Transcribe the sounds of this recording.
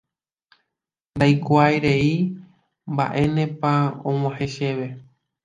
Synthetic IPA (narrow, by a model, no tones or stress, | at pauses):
nd̪ajkʷajɾe̞i | mbaʔe̞nẽ̞paõw̃ãhe̞ʃe̞ʋe̞